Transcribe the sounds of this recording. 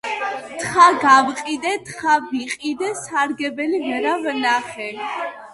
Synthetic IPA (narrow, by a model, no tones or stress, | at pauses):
t̪χaɡavqʼid̪ɛt̪χaviqʼid̪ɛsaɾɡɛbɛlivɛɾavnaχɛ